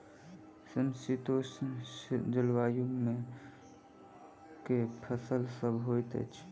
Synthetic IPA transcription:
sənsit̪ossd͡ʒəlwaːjume | kepʰəsəlsəbʱɦojt̪ə̰t͡ʃʰ

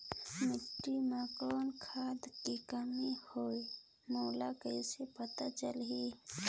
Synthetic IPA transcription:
mɪʈːimakoːnkʰaːd̪kikəmihoːi | moːlakəisepət̪at͡ʃəlɦi

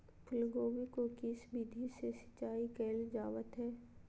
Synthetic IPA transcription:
pʰʊlɡoːʋikokisbiːd̪ʱisesɪ̥t͡ʃːaːikɛːld͡ʒaːʋət̪ɦɛː

